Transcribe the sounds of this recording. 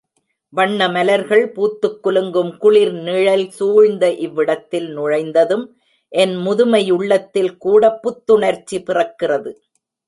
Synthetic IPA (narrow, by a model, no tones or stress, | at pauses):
ʋɐɳːɐmɐlɐɾɣɐɭpuːt̪ːɯkːʊlɯŋɡɯmkʊɭɪɾniːɻɐlsuːɻnd̪ɐʔɪʋːɪɽɐt̪ːɪlnʊɻɐɪnd̪ɐðɯm | ʔɛnmʊðʊmɐjʊɭːɐt̪ːɪlkuːɽɐpːʊt̪ːɯɳɐɾt͡ʃːipɪrɐkːɪrɐðɯ